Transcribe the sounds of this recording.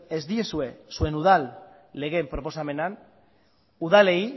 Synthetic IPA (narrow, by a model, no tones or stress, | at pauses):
ezd̪iesue̞sue̞nuðalː | e̞ɣe̞mpɾo̞po̞same̞nan | uð̞ale̞i